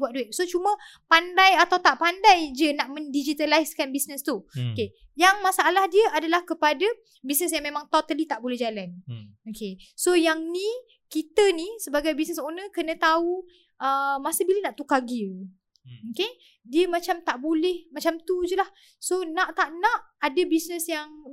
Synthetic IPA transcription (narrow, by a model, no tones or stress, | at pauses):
buat̪̚dueʔ̚sot͡ʃumə̃pandajat̪awt̪aʔpandajd͡ʒənaʔmə̃ndid͡ʒit̪alaiskanbisnəst̪uoke | jaŋmãsaʔalahdiəʔadalahkəpada | bisnəsjaŋmẽmaŋt̪ot̪alit̪aʔbolɛhd͡ʒalanokesojaŋnĩ | kit̪ənisəbaɡajbisnəsonə̃kənə̃t̪au | ʔəmasəbilənaʔt̪ukaɡi | oke | diəmat͡ʃamt̪aʔbolɛhmat͡ʃamt̪ud͡ʒəlah | sonãʔt̪aʔnãʔadəbisnə̃sjaŋ